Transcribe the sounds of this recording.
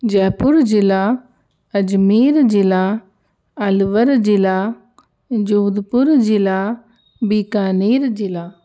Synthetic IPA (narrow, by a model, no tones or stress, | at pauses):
d͡ʒɛːpʊɾd͡ʒɪlaː | əd͡ʒmiːɾd͡ʒɪlaː | əlʋəɾd͡ʒɪlaː | d͡ʒuːd̪pʊɾd͡ʒɪlaː | bikaːneːɾd͡ʒɪlaː